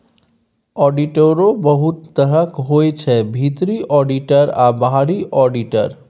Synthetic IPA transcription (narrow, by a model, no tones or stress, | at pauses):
ɔɖiʈoɾobəɦut̪ːəɾəkɦojt͡ʃʰɛbʱit̪ɾiʔɔɖiʈəɾa̰bɦaɽiʔɔɖiʈə̰ɾ